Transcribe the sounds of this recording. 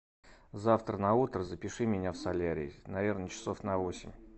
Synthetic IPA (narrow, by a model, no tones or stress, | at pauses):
zaft̪ɾənɐut̪ɾəzəpʲɪʂɨmʲɪnʲafsɐlʲaɾʲɪ̰ːnɐvʲernət͡ɕɪ̥so̞fnɐvo̞sʲɪmʲ